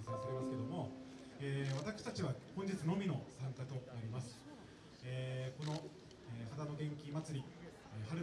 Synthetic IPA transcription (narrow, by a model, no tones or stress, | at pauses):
sɨasaɾe̞masɨ̥ke̞d̪o̞mo̞ | eːβ̞at̪akɯ̥ɕi̥t̪at͡ɕiβ̞ahõɲ̟d͡ʑit͡sɨno̞mʲino̞sãŋkat̪o̞naɾʲimasɨ̥ | eːko̞no̞ | eːhad̪ano̞ɡẽ̞ŋkʲimat͡sɨɾʲi | ehaɾɯ̟